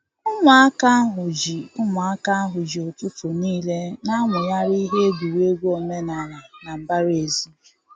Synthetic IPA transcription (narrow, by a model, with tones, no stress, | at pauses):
ʊ˦ŋʷa˨a˦ka˦ɦʊ˨d͡ʒi˨ʊ˦ŋa˨a˦ka˦a˦ɦʊ˨d͡ʒi˨o˨tu˦fʊ˨niː˦le˦na˦ŋʊ˨ja˦ɾi˦ɦe˦ɡu˨we˦ɡʷu˦o˦me˦na˨ɾa˨na˨m̩˨ba˦ɾe˨zi˦